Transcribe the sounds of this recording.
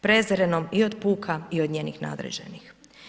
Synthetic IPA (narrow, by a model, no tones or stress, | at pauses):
pɾe̞zɾenomiod̪puːkʰaiod̪ɲeːnixna̰ːd̪ɾḛd͡ʒḛnix